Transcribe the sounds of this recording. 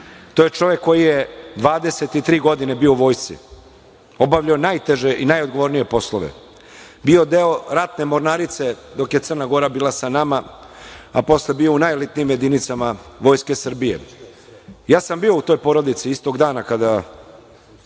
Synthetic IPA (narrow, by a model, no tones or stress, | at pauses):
t̪ojet͡ʂo̞ʋe̞kːo̞jijed̪ʋaːd̪e̞se̞t̪it̪ɾiːɡo̞d̪inebiouʋo̞ːjst̪sḭ | o̞bavʎaonajt̪eʒe̞ʔinajod̪ɡo̞ʋo̞ɾnije̞po̞slˠoʋḛ | bio̞d̪eo̞ɾat̪nemo̞ɾnaːɾit̪se̞d̪o̞kjet̪sər̩naɡo̞ɾabiːlˠasanama | apo̞slebio̞unajlit̪niiːmje̞d̪init̪samaʋo̞jske̞sr̩bije̞̰ | jaːsambio̞ut̪o̞jpo̞ɾo̞d̪it̪siist̪o̞ɡd̪aːnakad̪a